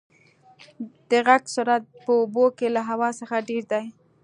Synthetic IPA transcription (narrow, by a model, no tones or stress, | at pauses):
d̪̥əɣaɡsuɾat̪̚pəobokelaɦawɑsəxaɖeɾd̪aj